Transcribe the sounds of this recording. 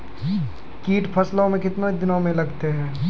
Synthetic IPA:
kiːʈpʰɐslõmẽkɪt̪nod̪ɪnõmẽlɐɡt̪eɦɛ̃ː

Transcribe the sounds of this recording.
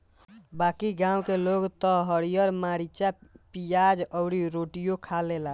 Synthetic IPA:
bakiɡãwkeloɡt̪əɦəɾijəɾmaɾit͡ʃapijad͡ʒəʊɾiɾoʈijokʰalela

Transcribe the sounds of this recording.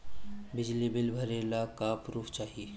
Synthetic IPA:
bɪd͡ʒlibɪlbʱəɾelakaːpɾuːft͡ʃaːɦii

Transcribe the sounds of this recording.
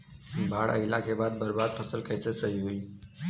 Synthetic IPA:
bʱaːɽə̰ɪlakʰebaːd̪̚bəɾbaːd̪̚pʰəsəlkəjsesəɦiɦui

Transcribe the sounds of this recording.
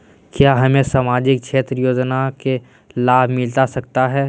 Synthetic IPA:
kjaːɦɐmẽsaːmaːd͡ʒɪk̚kʃʰeːt̪ɾəjoːd͡ʒnake | laːbʱmɪlt̪asɐkt̪aɦɛː

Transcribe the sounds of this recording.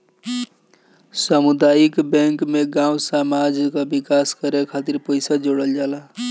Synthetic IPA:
səmud̪ajikbɛ̃ŋkmeɡãũsamad͡ʒkəbikaskəɾekʰat̪iɾpəjsad͡ʒoɽəld͡ʒala

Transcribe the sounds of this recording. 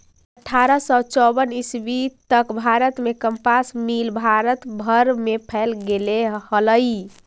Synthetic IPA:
əʈʰːaɾəsɔt͡ʃɔbənisbit̪əkbʱaɾət̪mekəmpasmilbʱaɾət̪bʱəɾmepʰɛlɡelehələj

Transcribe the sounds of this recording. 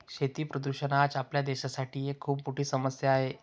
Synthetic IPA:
ɕet̪iːpɾəd̪uɕənat͡sapljad̪eɕasaʈʰiːekʰːuːppuʈiːsəməsjaːɦe

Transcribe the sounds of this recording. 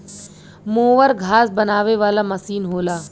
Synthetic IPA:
moːʋəɾɡʱaːsbɐnaːʋeʋaːlamɐsiːnɦoːlaː

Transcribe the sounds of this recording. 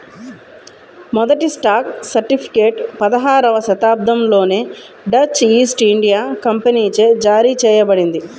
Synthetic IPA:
mɔd̪ɐʈisʈaːk̚sɐɾʈipʰi̥keːʈpɐd̪ɐɦaːɾɐʋɐʃɐt̪aːb̚d̪ʱɐmlo̞ːneː | ɖɐt͡ʃiːsʈiɳɖijaːkɐmpɐniːt͡ʃeːd͡ʒaːɾiːt͡ʃɛːjɐbɐɽind̪i

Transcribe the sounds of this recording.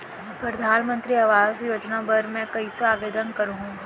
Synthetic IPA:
pɾɐd̪ʱaːnmə̃nt̪ɾiɐʋaːzjoːd͡ʒnabɐɾmɛ̃kɐisaaːʋeːd̪ənkɐɾũɦũː

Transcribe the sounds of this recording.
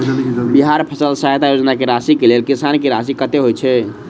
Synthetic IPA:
biɦaɾpʰəsəlsəɦet̪ajod͡ʒnakeɾasikelelkisankeɾas̬ikət̪eɦojt͡ʃʰɛ

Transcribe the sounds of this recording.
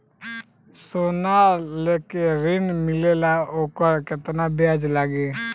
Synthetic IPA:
soːnaleːkeɾɪnmɪlelaoːkəɾkɪt̪nabjaːd͡ʒlaːɡeː

